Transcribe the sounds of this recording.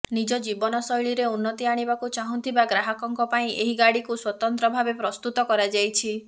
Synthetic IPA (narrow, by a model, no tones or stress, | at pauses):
nid͡ʒɔd͡ʒibɔnɔsɔjɭiɾeunːɔt̪iaɽ̃ibakut͡ʃaɦũnt̪ʰibaɡɾaɦɔkɔŋkɔpaĩʔeɦiɡaɽikuswɔt̪ɔnt̪ɾɔbʱabepɾɔst̪ut̪ɔkɔɾad͡ʒajt͡ʃʰi